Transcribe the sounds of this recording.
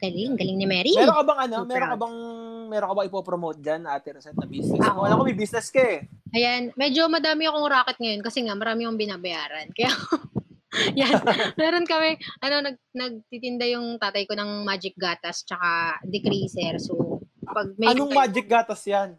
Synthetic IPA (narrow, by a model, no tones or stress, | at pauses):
ɡ̥ɐlɪŋɡɐlɪŋnɪmɛːɾimɛɾoŋkɐbɐŋʔɐnomɛɾokɐbɐŋmɛːɾoŋkɐbaɐŋɪpopɾomowt̪̚d͡ʒanːɐʔaːt̪ɪɾɛsɛt̪̚nɐbisnɛmoɐlaŋkomɪjbisnɛskɐɛʔɐjanmɛːd͡ʒo̞mɐd̪aːmɪɐkoŋʊɾaːkɪt̪̚ŋɐjo̞nkɐsɛŋamɐɾaːmɪʊŋbɪnaːbɐjaːɾɐnkɐjao | janmɛːɾo̞nkɐmɛʔɐno̞nɐɡ̚nɐɡ̚t̪it̪ɪnd̪ajʊŋt̪aːt̪ɐjkonɐŋmaːd͡ʒɪk̚ɡaːt̪ɐst͡ʃɐkad̪ɛkɾisɛɾsopɐɡ̚mɐjɐnoŋmaːd͡ʒɪk̚ɡaːt̪ɐsjan